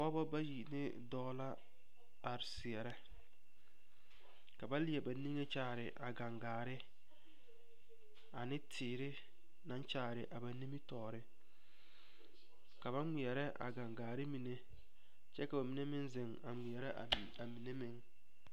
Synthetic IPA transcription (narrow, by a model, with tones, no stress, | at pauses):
pɔ˦bɔ˦ba˦ji˨nɪ˦ | dɔː˦la˦ | a˨ɾɪ˨sɪ˨ɛ˨ɾɛ˦ | ka˨ba˦lɪ˦ɛ˨ba˨ni˦ŋe˦t͡ʃaː˦˨ɾɪ̰˨ʔa˨ɡa˨ŋɡaː˨ɾɪ˦ | a˨nɪ˦tʰɪː˨ɾɪ˦ | nã˦nt͡ʃaː˦˨ɾɪ˨ʔa˨ba˨ni˦mi˦tɔː˨ɾɪ˦ | ka˨ba˦ŋi˨ɛ˨ɾɛ˦ʔa̰˨ɡa˨ŋɡaː˨ɾɪ˦mi˨ne˦ | t͡ʃɛ˦ka˨ba˨mi˨ne˦mɪ˦nzɪ˨ŋa˨mɪ˨ɛ˨ɾɛ˦˨ | a˨mi˨ne˦mɪ˦ŋ